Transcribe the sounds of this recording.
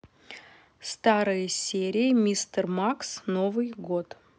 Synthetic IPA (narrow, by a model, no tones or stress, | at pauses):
st̪aɾɨjəsʲeɾʲɪɪmʲist̪ərmaksno̞vɨjɡo̞t̪